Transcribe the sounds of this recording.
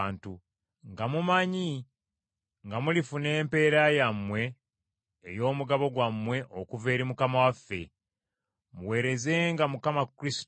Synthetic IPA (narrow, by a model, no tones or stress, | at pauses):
ntu | ŋɡamumaɲi | ŋɡamulifune̞ːmpe̞ːɾajamwe̞ː | jo̞ːmuɡaβo̞ɡwamːwe̞ʔo̞kuve̞ːɾimukamawafːe̞̰ | muwe̞ːɾe̞ze̞ŋɡamukamakːɾisi̥t